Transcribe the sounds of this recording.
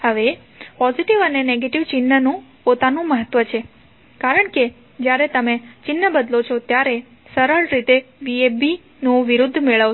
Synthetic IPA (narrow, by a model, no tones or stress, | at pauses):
həʋe | pɔziʈiʋəneneɡeʈiʋt͡ʃɪnːənũpot̪anũməɦət̪ʋət͡ʃʰe | kaɾəɳke | d͡ʒjaɾet̪əmet͡ʃɪnːəbəd̪lot͡ʃʰot̪jaɾe | səɾəɭɾit̪eʋiebi | nũʋiɾud̪ʱːmeɭəʋ